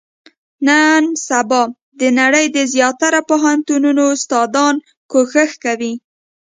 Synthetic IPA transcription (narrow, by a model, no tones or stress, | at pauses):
nansabɑ | d̪ənaɽəjd̪əzjɑt̪aɾapoɦant̪ununoʊst̪ɑd̪ɑn | koxəxkawi